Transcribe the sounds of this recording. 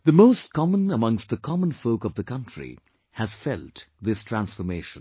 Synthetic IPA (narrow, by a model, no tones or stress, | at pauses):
ðəmoʊstkɑmə̃nəmʌ̃ŋst̚ðəkʰɑmə̃nfoʊkʌvðəkʰʌ̃ntʰɹḭ | hɨz̥fɛltðɪstʰɹ̥æ̃nsfɔɾmeɪʃə̃n